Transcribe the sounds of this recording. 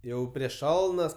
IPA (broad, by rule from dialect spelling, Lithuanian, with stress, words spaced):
ˈjɛʊ pʲrʲiɛʃ ˈʃɐlˠnɐs